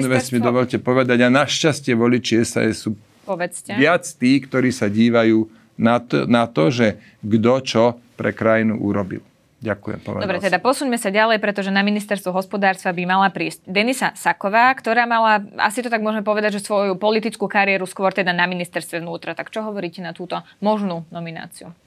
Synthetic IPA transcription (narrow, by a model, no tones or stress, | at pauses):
ʋɛsmid̪ɔʋɔʎcɛpɔʋɛd̪aɟanaʃcascɪɛʋɔlit͡ʃiɛsa̰ɛsːuː | pɔʋɛt͡scɛʋɪat͡st̪iːkt̪ɔɾiːsaɟiːʋajuː | nanat̪ɔʒɛ | ɡd̪ɔt͡ʃɔpɾɛ̰kɾajinṵʔuɾɔbḭl | ɟakujɛ̰mpɔ̰ʋɛd̪ɔbɾɾɛt̪ɛd̪apɔsuɲmɛsaɟalɛjpɾɛt̪ɔʒɛnaminist̪ɛɾst̪ʋɔɦɔspɔd̪aːɾst̪ʋabimalapɾiːsɟ̚d̪ɛnisasakɔʋaːkt̪ɔɾaːmalaa̰sit̪ɔt̪aɡmʊɔʒɛmɛp̬ɔʋɛd̪aɟʒɛsʋɔjupɔlit̪it͡skuːkaɾijɛɾuskʋɔɾt̪ɛd̪anaminist̪ɛɾst̪ʋɛʋnuːt̪ɾat̪akt͡ʃɔɦɔʋɔɾiːcɛnat̪uːt̪ɔmɔʒnuːnɔmina̰ːt͡siu